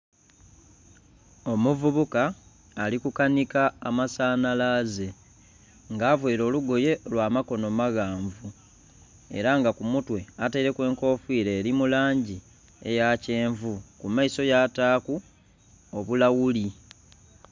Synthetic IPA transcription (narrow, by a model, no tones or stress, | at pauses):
o̞muvuβukaː | likukanikaːmasaːnalaze̞ | ŋɡaːvweːɾo̞ːluɡo̞je̞lwaːmako̞no̞maɣaːɱvu | e̞̰ɾaŋɡakumutwe̞ataiɾe̞kwe̞ːŋko̞ːfwiːɾe̞ːɾimulaːɲɟi | e̞̰jace̞ːɱvukumaiso̞jaːtaːku | oβulawuli